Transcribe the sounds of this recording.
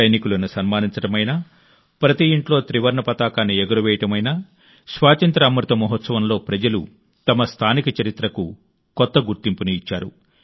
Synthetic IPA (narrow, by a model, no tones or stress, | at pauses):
ɐjnikulɐnusɐnmaːniɲt͡ʃɐʈɐmɐjnaː | pɾɐt̪iiɳʈlo̞ːt̪ɾiʋɐɾɳɐpɐt̪aːkaːnːiɛɡɐɾuʋɛːjɐʈɐmɐjnaː | sʋaːt͡ʃɐnt̪ɾɐːmɾut̪ɐmɔɦɔt̪sɐʋɐmlo̞ːpɾɐd͡ʒɐlu | t̪ɐmɐst̪ʰaːnikɐt͡ʃɐɾit̪ɾɐku | kɔt̪ːɐɡuɾt̪impuniːt͡ʃːaːɾu